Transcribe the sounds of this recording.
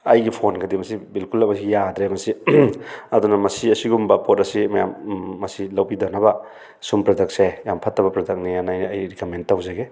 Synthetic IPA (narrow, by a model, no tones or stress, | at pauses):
ɐjɡipʰonɡɐdimɐsibilkulːɐmɐs̬iɡijadɾemɐsi | ɐdunɐmɐsiɐsiɡumbɐpʰotɐsimɐjamːɐsilɐwbidanɐbɐ | sumpɾadɐk̚sejampʰɐtːɐbɐpɾɐdɐk̚nijanajnɐjɾikɐmentːawzeɡe